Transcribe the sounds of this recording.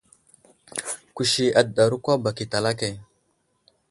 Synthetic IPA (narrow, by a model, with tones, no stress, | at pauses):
ku˨ʃi˨a˨dɗa˨ɾu˦kʷa˦ba˨ki˨ta˨la˦ke˨